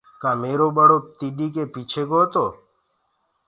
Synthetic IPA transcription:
kãːmeːɾoːbəɽoːt̪iɖiːkeːpiːt͡ʃʰeːɡoːət̪oː

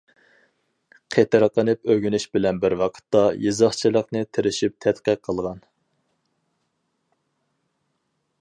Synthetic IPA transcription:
qʰet̪ɪɾqənɨpøɡʲynyʃbɪlɛnbɪɾwɑqʰə̥t̪ːɑjɨzɑχt͡ʃʰilˠəqnɨt̪ʰɪɾɪʃip̚t̪ʰɛt̪qəqʰːəlˠʁɑn

